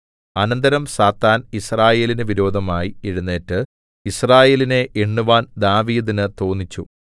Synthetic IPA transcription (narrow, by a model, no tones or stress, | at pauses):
ɐnɐnd̪ɐɾɐmsaːt̪ːaːnisraːje̞ːlinɨʋiɾo̞ːd̪ʱɐmaːjieɻunːe̞ːtːɨ | israːje̞ːline̞ʔeɳːuʋaːnd̪aːʋiːd̪inɨt̪o̞ːnːit͡ɕːu